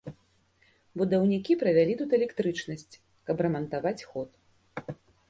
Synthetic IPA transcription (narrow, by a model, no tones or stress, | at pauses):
bud̪ɐwnʲikʲipɾɐvʲalʲit̪ut̪ɛlʲɛkt̪ɾɨt͡ʂnɐsʲt͡sʲ | kɐprɐmɐnt̪avat͡sʲxɔt̪